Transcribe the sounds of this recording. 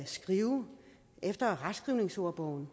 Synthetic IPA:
sɡ̥ʁiːʊ | ʔefd̥ɐʁḁsɡ̥ʁiʊne̝ŋso̝ɐ̰b̥ɒʊ̰n̩

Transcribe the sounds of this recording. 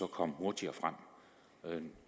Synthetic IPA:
ɒ̽kʰɒ̽mhoɐt͡sʰiɐfʁam̰

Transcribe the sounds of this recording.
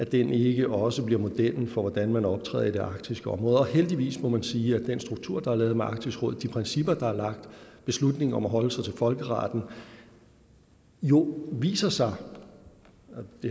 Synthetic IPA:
æd̥ene̝ɡ̥əʔɒ̽səb̥liɐmo̝d̥eɐnfɒ̽ʋɒd̥ænmænɒ̽b̥t͡sʰʁɛ̰ːð̰ˠide̝ʔɑ̈ɡ̥̚t͡sʰisɡ̥əɒ̽mʁɔ̽ːð̩ˠɒheld̥iʋḭːsmɒ̽mænsiːæd̥ensd̥ʁuɡ̥̚t͡sʰuɐ̰d̥ɑ̈æɐlɛːð̩ˠmeʔɑ̈ɡ̥̚t͡sʰisʁɔ̽ð̰ˠd̥ipʰʁɛnsib̥ɐd̥ɑ̈æɐlɑ̈ɡ̥̚d̥b̥e̝slud̥ne̝ŋ̩ɒ̽mæɦɒ̽ləsɑ̈ɪt͡sʰe̝lfɒ̽lɡ̥əʁɑ̰̈ːd̥n̩ | jo̝ʋḭːsɐsɑ̈ɪ | d̥e

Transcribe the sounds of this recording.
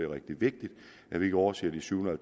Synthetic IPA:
eʁɛɡ̥̚d̥iʋe̝ɡ̥̚d̥id̥ | ʔæʋie̝ɡ̥əɒʊɐse̝̰ːɐd̥isyʊhnɐælt͡s

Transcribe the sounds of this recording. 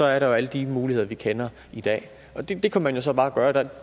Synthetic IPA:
sɒ̽æɐɾɑjo̝æləd̥imuːlihe̝ð̰ˠɐʋikʰenɐ | id̥ɛ̰ː | ʔɒ̽d̥e̝d̥e̝kʰæmænjo̝s̬ɒ̽b̥ɑ̈ːæɡ̥ɶːɐd̥ɑ

